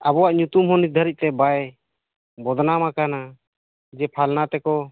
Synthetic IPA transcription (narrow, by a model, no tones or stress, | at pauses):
abɔwaʔɲut̪umɦɔnid̪ʱəɾic̪̚ˀt̪ɛbaj | bɔd̪ʱnamakana | d͡ʒɛpʰalnat̪ɛkɔ